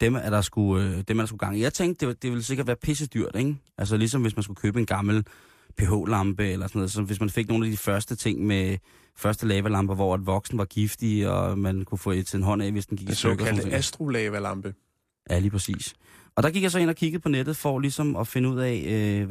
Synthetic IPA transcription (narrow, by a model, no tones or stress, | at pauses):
d̥emæd̥ɑ̈sɡ̥uød̥emæɐɾ̥ɑs̬ɡ̥uɡ̥ɑ̈ŋ̰ijɑ̈ɪt͡sʰeŋɡd̥̚d̥e̝d̥e̝ʋe̝ls̬e̝ɡ̥ɐd̥ʋæːɐpʰe̝s̬əd̥yɐ̰d̥eŋʔæls̬əlis̬ɒ̽mʋe̝smæns̬ɡ̥ukʰøːb̥əe̝nɡ̥ɑ̈ml̩ | pʰe̝ɦo̰ːlɑ̈mb̥əelɐsɒnɔðˠsɒ̽ʋe̝smænfe̝ɡ̥̚no̝ːnæd̥ifɶɐsd̥ət͡sʰe̝ŋ̰me | fɶɐsd̥əlɛːʋælɑ̈mb̥əʋɒ̰æd̥ʋɒ̽ɡ̥sn̩ʋɑ̈ɡ̥ifd̥iɒ̰mænkʰufɔ̰ːde̥t͡sʰe̝enɦɒ̽n̰ɛ̰ʋesd̥en̩ɡ̥iɡ̥esɔɡ̥æsd̥ʁolɛːʋælɑ̈mb̥ə | jæliːpʰʁɐsḭːs | ɒ̽d̥ɑ̈ɡ̥iɡ̥jɑ̈sɒe̝n̰ɒkʰiɡ̥ð̩ˠpʰɒ̽ned̥ð̞̩ˠfɒ̽lisɒ̽mɒ̽fe̝nəuð̰ˠɛ̰ɪø